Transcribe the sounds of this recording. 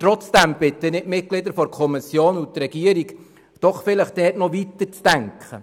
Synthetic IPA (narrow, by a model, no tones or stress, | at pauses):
tɾɔt͡sd̥̪æmb̥ɪt̪ənɪtmɪt̚klɪd̪əɾfɔɾkʰɔmisjoːnut̪rɛɡ̥iəɾik | d̥ɔχfɪləχd̥̪ɛːtnɔʋit̪əɾt͡sd̥æŋkχə̰